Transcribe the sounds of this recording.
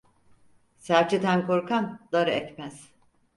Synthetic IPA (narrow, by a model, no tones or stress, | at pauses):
sæɾt͡ʃʰit̪ʰænkoɾkʰand̪̥aɾɯɛt̪ʲmæz̥